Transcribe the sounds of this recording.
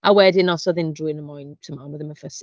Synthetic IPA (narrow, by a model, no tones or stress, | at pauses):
awɛdɪnɔsɔðɪndɹuːɪnəmɔjntʰəmanwɪðəməfəsi